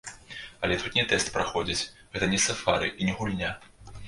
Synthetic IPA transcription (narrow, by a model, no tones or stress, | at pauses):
ɐlʲɛt̪ut̪nʲɛt̪ɛst̪pɾaxɔd͡zʲit͡sʲ | ɣɛt̪ɐnʲɛsafaɾɨ̰ʔinʲɛɣulʲnʲa